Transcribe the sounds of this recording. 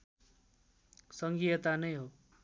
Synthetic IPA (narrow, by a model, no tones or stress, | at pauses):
sʌŋɡijʌt̪anʌjɦo